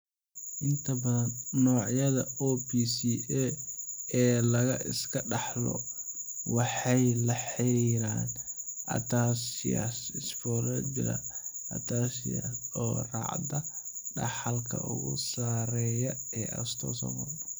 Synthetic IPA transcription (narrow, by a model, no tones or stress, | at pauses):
ʔɪnt̪ʰɐbɐðɐnːɔːʕjɐðɐɔːpiːsiʔɛ | ɛːlɐɣɐʔɪ̰skʰɐɖɑħlɔ̰ | wɑħɑjlɐħɛɾaːnʔɐ̰t̪ʰasɪ̰ja̰sɪsfɔɾɐd͡ʒɪɾɐ̰ʔɐ̰t̪ʰaːsɪja̰sɔːrɑ̰ʕd̪ɐɖɑ̰ħɑlkʰɐ̰ʔʊ̰ɣʊ̰saːɾɛːjɐɛːʔɐ̰st̪ʰɔ̰ːsɐ̰mɐ